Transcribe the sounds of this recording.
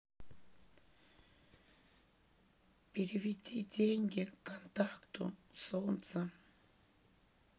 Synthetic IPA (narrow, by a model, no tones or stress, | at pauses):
piɾiβit͡sʲitʲeŋɡekant̪ahkt̪o̰nsont͡sa